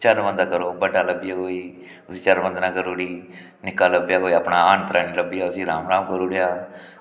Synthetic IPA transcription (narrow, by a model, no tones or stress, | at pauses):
t͡ʃəɾʋə̃nd̪aːkəɾoːbəɖaːləbijaːkoːiː | ʊsiːt͡ʃəɾʋə̃nd̪naːkəɾoːɽiː | nɪkaːləbjaːkoːiːəpɳaːaːnt̪əɾaːniːləbijaːʊsĩːɾaːmɾaːmkəɾuːɽejaː